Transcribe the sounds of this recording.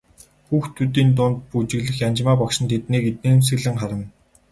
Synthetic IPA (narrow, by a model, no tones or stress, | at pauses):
xuːxt̪ʰut̪iːnt̪̬ʊːnt̪̚put͡ɕɪ̆ɣɮɘ̆xjant͡ɕmaːpɔkʃɪ̆nt̪ʰet̪niːɡet̪̚niːms̬ɘ̆ɣɮɘ̆ŋχaɾə̆n